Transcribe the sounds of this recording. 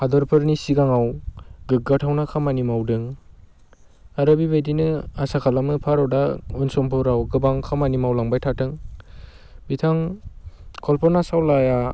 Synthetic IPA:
hadɔɾpʰɯɾnisiɡaŋawɡɯk̚ɡatʰawnakʰamanimawdɯŋ | aɾɯbibedinɯasakʰalamɯpʰaɾawdaunsɔmpʰɯɾawɡɯbaŋkʰamanimawlaŋbajtʰatʰɯŋ | bitʰaŋ | kʰɔlpʰɔnasawlaja

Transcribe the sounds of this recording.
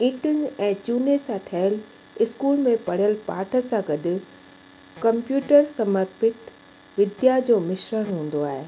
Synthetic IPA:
ĩːʈənɛ̃ːt͡ɕuːnesãʈʰɐɦəl | ɪskuːlmẽpɐɽ̤ijəlpaːʈʰə̆sãɡɐdʊ̆ | kɐ̃mpjuːʈəɾsɐməɾpɪt̪ | ʋɪd̪jad͡ʑoːmɪʃɾəɽ̃ɦũːn̆d̪oaːɦeː

